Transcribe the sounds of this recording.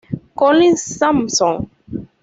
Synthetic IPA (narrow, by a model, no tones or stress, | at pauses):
kɔlĩsãmsɔ̃ŋ